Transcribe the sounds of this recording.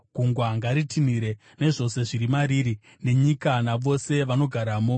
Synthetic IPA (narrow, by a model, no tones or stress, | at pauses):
ɡ̥ʱuŋɡwaŋɡaɾitiniɾe̞ | ne̞ʐo̞se̞ʐiɾimaɾiːɾi | ne̞ɲikanaʋo̞se̞ʋano̞ɡʱaɾaːmo